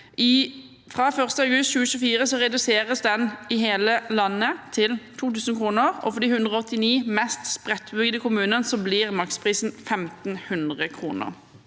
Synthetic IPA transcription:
ʔɪ | fʁɑfœʁst̪əɑʉɡʉst̪ɕʉːəʃʉːfiːʁəsɔʁɛd̪ʉseːʁəsd̪ɛnɪɦeːləlɑnːət̪ʰɪlt̪ʰuːt̪ʉːsn̩kʰʁuːnəʁɔ̰fɔd̪iːhʉnd̪ʁəɔɔt̪ːɪniːmɛst̪spʁɛt̪ːbʉɡəd̪əkʰʊmʉːnənsɔblɪʁmɑkspʰʁiːsn̩fɛmt̪n̩hʉnd̪ʁəkʰʁṵːnə̰ʁ

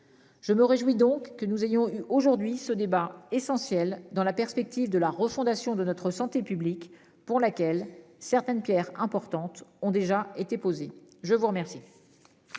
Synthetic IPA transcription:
ʒ̥əməʁeʒwid̪ɔ̃kːənuzejɔ̃yʔoʒuʁd̪ɥisəd̪ebaesɑ̃sjɛld̪ɑ̃lapɛʁspɛk̚t̪ivd̪əlaʁəfɔ̃d̪asjɔ̃d̪ənɔt̪χəsɑ̃t̪epyblik | puʁlakʲɛlsɛʁt̪ɛnpjɛʁɛ̃pɔʁt̪ɑ̃t̪ɔ̃d̪eʒaet̪epozeʒəvuʁəmɛʁsi

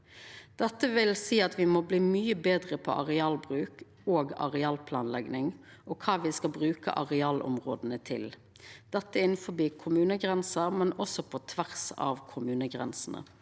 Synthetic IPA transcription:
d̪̥ɛt̪ːəʋɪlsiːɑt̪ʋɪmɔbliːmyːəbeːd̪ʁəpʰɔ̰ʔɑʁɛɑːlbʁʉːk | oːɡɑ̰ʁɛɑːlpʰlɑːnlɛɡnɪŋʔɔkʰɑːʋɪskɑlbʁʉːkə̰ʔɑʁɛɑːlʔɔ̰mʁo̰ːd̪ənət̪ʰɪ̰l | d̪̥ɛt̪ːəɪnfɔbiːkʰʊmʉːnəɡʁɛnsəʁmɛnɔsɔpʰɔt̪ʰʋæʁsɑ̰ːʋkʰʊmʉːnəɡʁɛ̰nsn̩ə̰

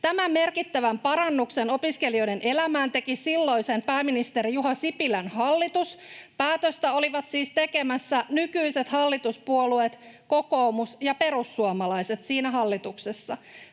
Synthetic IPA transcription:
t̪æmæmme̞rkit̪ːæʋæmpɑɾɑnːukseno̞piske̞lio̞jdene̞læmæːnt̪e̞kisilːo̞jsenpæːmːinist̪eɾijuɦɑsipilænhɑlːit̪uspæːt̪øst̪æo̞liʋɑt̪siːst̪eke̞mæsːænykyise̞t̪hɑlːit̪uspuoluet̪ko̞koumusjɑpe̞ɾusːuɑmɑlɑjset̪siːnæɦɑlːit̪uksesːɑ

